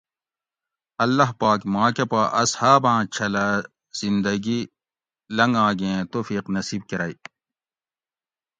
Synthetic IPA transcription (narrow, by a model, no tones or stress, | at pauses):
ɐlːɐɦpaːkmãːkepaʔɐshaːbãːt͡ɕʰɐla | z̥ind̪ɐɡi | lɐŋɡãːɡeẽt̪oːfiːqnɐsiːb̚kiɾai